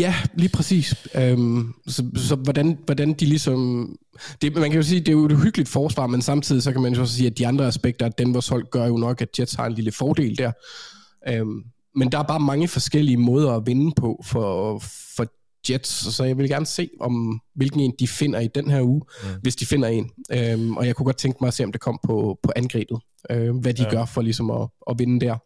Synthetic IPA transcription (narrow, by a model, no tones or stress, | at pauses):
jæliːpʰʁɛsḭːsømsɒ̽sɒ̽ʋɒd̥ænʋɒd̥ænd̥ilisɒ̽m | d̥e̝mænkʰæjo̝s̬iːd̥e̝jo̝e̥ɦyɡ̥əlid̥fɒːsʋɑ̰̈ːmensɑ̈mt͡sʰið̰ˠisɒ̽kʰæmænjo̝ɒssiːæd̥iɑ̈nd̥ʁɐæsb̥eɡ̥̚d̥ɐd̥enʋɒːshɒ̽l̰ɡ̥ɶɐjo̝nɒ̽ɡ̥æ̥d̥jed̥shɑ̈e̝nliləfɒːd̥e̝̰ːld̥æɐ̰ | øm | mend̥ɑæɐb̥ɑ̈ːmɑ̈ŋəfɒ̽sɡ̥el̰iəmɔ̽ːð̞ˠɐæʋe̝nəpʰɒ̽fɒfɒ̽ | d̥jed̥ssɒ̽jɑɪʋe̝lɡ̥æɐnəse̝̰ːʔɒ̽mʋe̝lɡ̥n̩e̝ːnd̥ife̝n̰ɐid̥enɦæɐuːʋe̝sd̥ife̝n̰ɐe̝nøʔɒjɑ̈ɪkʰuɡɒ̽d̥̚t͡sʰeŋɡ̥əmɑ̈ɪɒse̝ːɒ̽md̥ekʰɒ̽m̰pʰɒ̽pʰɒ̽ʔænɡ̥ʁɛ̰ːb̥ð̩ˠ | øʋæd̥iɡ̥ɶɐfɒ̽lisɒ̽mɒɒ̽ʋe̝nəd̥æɐ̰